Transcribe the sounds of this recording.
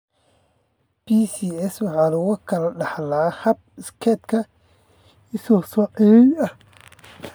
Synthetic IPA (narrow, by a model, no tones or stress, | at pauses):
b̥ʰisiːɛswɑħɑːlʊɣʊkʰɐlɐɖɑħlahɐb̚ɪskʰɛt̪kʰɐ | ɪsɔsɔʕɪjɛjɐh